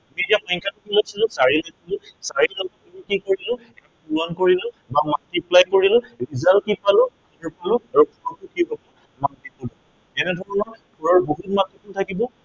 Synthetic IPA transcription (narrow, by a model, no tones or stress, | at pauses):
amietiamɔjŋkatukilojsilʊ̃saɹilojsilʊ̃saɹilɔɡɔtɔkikikoɹilʊ̃ | ɛ | puɹɔnkoɹilʊ | bamantiplajkoɹilʊɹizalkipalʊ̃ | ɹpɔlʊaɹuɡʱɔɹɔtukibɔbɔ | mantipudɔ | ɛnɛdʱɔɹɔnɔɹɡʱɔɹɔɹboɦut̚matikʰultʰakibɔ